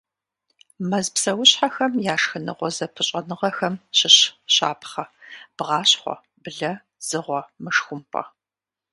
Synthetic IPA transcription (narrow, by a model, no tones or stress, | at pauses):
mɐzpsɐwʊɕħaxɐmjaːʂxɨnɨ̰ʁʷɔzɐpʰɨɕʼɐnɨʁɐxɐmɕɪɕɕa̰ːpʰχɐb̥ʁɑːɕχʷɔ̰ | bɨɮɐ | z̥ɨʁʷɔmɨʂxʷʊmpʼɐ̰